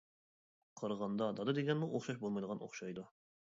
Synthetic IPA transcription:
qʰəɾʁɑnd̪ɑd̪ɑd̪ɨd̪eɡʲɛnmuʔoχʃɑʃ̬bolˠmɑjd̪ˠəʁɑnʔo̰χʃɑjd̪u

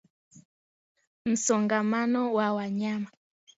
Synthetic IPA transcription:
n̩sɔŋɡamanɔwawaɲama

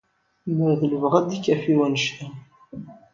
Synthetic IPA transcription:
məðələvʁæd̪ikːæfiwænʃt̪æ

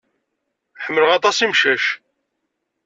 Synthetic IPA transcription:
ħəmːələʁɑt̪ˤɑsimʃæʃ

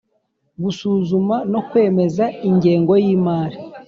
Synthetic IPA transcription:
ɡusuːzumano̞kwe̞ːme̞zaiɲɟe̞ːŋɡo̞jiːmaːɾi

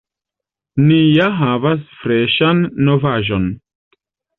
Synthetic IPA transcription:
nijaɦavas̬fɾeʃanːovaʒon

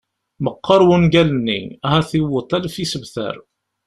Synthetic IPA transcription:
məqːəɾˤwənɡælənːḭæhæθiwət̪ˤːælfisəvθə̰ɾ

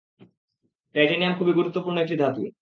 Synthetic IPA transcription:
ʈajʈeniamkʰubiɡuɾut̪ːopuɾnoek̚ʈid̪ʱat̪ṵ

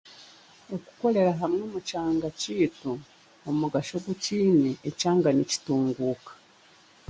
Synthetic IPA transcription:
oku̥ko̞le̞ɾaɦamŋomut͡ʃaːŋɡaciːtu | omuɡaʃo̞ɡuciːniecaːŋɡanici̥tuːŋɡuːkḁ

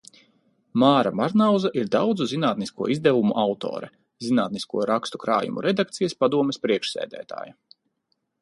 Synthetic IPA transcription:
maːɾa̰maɾnawzaʔiɾd̪awd̪zuzinaːt̪niskuɔizd̪ɛvumuʔawt̪ɔ̰ːɾɛ | zinaːt̪niskuɔɾakst̪ukɾa̰ːjṵmṵɾɛd̪ak̚t̪sijaspad̪uɔmɛspɾiɛkʃsæ̰ːd̪æ̰ːt̪a̰ːja

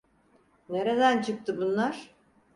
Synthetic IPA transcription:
ne̞ɾe̞d̪ænt͡ʃʰɯk̚t̪ʰɯbunlˠaɾ̥

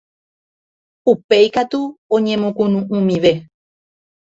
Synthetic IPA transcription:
upe̞jkat̪uõɲẽ̞mõkũnũʔũmĩʋe̞

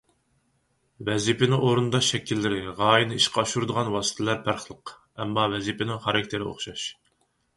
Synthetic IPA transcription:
wɛzipɪnɪŋoɾund̪ɑʃɛkʲʰilːɪɾɪʁɑːjinɨiʃqʰɑɑʃuɾd̪əʁɑnwɑːsɨ̥t̪ʰɪlæɾpʰæɾχlˠəq | ɛmːɑvɛzipʰɪnɪŋχɑɾɑk̚ʲt̪ʰɪɾɪo̰χʃɑʃ

